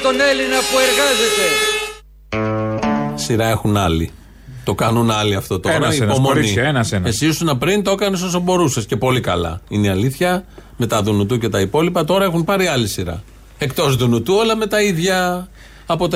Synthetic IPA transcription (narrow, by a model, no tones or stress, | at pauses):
t̪o̞ne̞linɐpue̞ɾɣɐze̞t̪e̞ | siɾɐe̞xunɐlḭ | t̪o̞kɐnunɐliɐft̪o̞t̪oɾɐipomoinienɐsenesisunɐpɾint̪o̞kɐnes̬o̞s̬ɐbo̞ɾusesce̞po̞likɐlɐ̰ineɐliθçɐme̞t̪ɐðunut̪uce̞t̪ɐipo̞lipɐt̪o̞ɾɐe̞xumpɐɾiɐlisiɾɐ̰ | e̞kt̪o̞zðunut̪uɐlɐme̞t̪ɐiðʝɐː | po̞t̪